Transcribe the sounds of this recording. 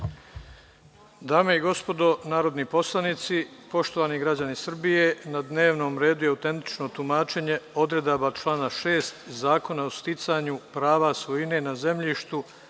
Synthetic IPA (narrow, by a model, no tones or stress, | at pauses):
d̪aːmeiɡo̞spo̞d̪o̞naːɾo̞d̪nipo̞slˠanit̪sipo̞ʃt̪o̞ʋaːniɡɾad͡ʑanisr̩bije̞nad̪ne̞ːʋno̞ːmɾe̞ːd̪ujeawt̪ent̪i̥t͡ʃno̞t̪umaːt͡ʃe̞ɲe̞o̞d̪ɾe̞d̪abat͡ʃlˠaːnaʃe̞ːst̪zaːko̞naost̪it̪saɲupɾaːʋasʋo̞ine̞naze̞mʎiʃt̪u